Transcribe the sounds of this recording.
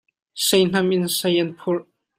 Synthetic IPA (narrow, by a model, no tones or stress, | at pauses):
sejn̥aminsajɛnpʰu